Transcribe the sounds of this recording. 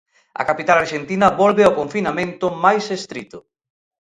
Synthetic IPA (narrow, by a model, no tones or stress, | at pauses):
ɐ̰kapit̪alaɾʃent̪inɐβɔlβɪoɔkoɱfinamẽnt̪ʊmajsest̪ɾit̪ʊ